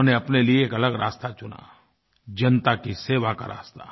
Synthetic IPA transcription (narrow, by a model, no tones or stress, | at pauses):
neɐpnelieeːkɐləɡɾaːst̪at͡ʃʊna̰ː | d͡ʒɐnt̪akiseːʋaka̰ɾa̰ːst̪a